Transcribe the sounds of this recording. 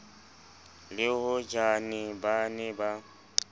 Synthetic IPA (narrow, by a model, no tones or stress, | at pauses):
lɪhʊd͡ʒanɪbanɛba